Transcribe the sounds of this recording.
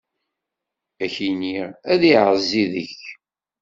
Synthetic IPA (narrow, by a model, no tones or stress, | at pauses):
æçiniʁæðiʕəzːiðəç